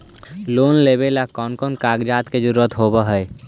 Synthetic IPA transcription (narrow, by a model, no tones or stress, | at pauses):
lonlebelakɔnkɔnkaɡd͡ʒat̪ked͡ʒəɾuɾət̪ɦobəɦə